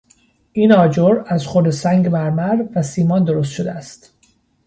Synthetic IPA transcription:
ʔiːnɒːd͡ʒoɾæzχoɾd̪esæŋɟbæɾmæɾvæsiːmɒːnd̪o̞ɾos̬t̪ʃod̪eæst̪

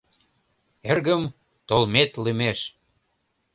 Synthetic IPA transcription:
erɣəm | t̪olmet̪limeʃ

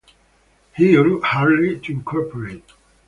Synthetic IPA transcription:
hilukhaɹdlitʰuɪ̃nkʰɔɹpʰəɹet̚

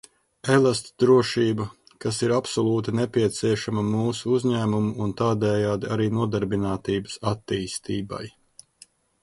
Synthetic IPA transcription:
elˠast̪d̪ɾuɔʃiːbɐ | kasiɾapsɔlˠuːt̪inɛpʲiɛt̪siɛʃamɐmuːsuuzʲɲæːmumuːnt̪aːd̪ɛːjaːd̪iaɾiːnuɔd̪aɾbinaːt̪iːbəsat̪ːiːst̪iːba̰j

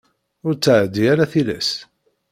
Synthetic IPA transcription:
ʊɾt͡sːəʕd̪ːiaɾæθilæ̰s

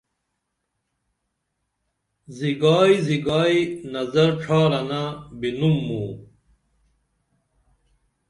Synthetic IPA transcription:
ziɡaːiziɡaːinɐzɐɾʈ͡ʂʰaːɾɐnabinumːuː

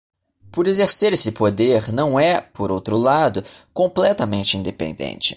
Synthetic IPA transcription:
pʊɾezeɾseɾesɪpod̪eɾnɐ̃w̃ɛpoɾowt̪ɾʊlad̪ʊkõmplɛt̪ɐmẽnt͡ʃɪĩnd̪epḛ̃nd̪ḛ̃nt͡ʃɪ̥

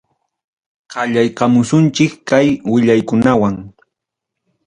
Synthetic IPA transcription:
qɑʎajqɑmʊsʊnt͡ʃɪkkajwɪʎajkʊnawaŋ

